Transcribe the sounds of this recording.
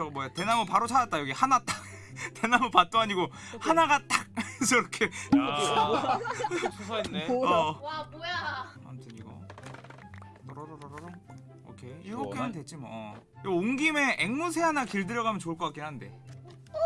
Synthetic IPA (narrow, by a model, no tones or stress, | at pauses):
ʌmwʌjate̞namɯpaɾot͡ɕʰaɾat̚t͈ajʌɡihanat͈a | te̞namopat̚t͈oaɲiɡohanaɡat͈ak̚t͡ɕʰʌɾʌkʰe | a̰ntʰɯɲiɡo̰ | ɾʌɾɾʌɾɾʌ | o̰kʰeiɡʌk͈enɯntwe̞t͡ɕ͈ima̰ | oŋɡime̞ʔeŋmusʰe̞ɦanakiɭdɯɾjʌɣamʌnt͡ɕoɯɭk͈ʌk͈ak͈inɦanɯnde̞̰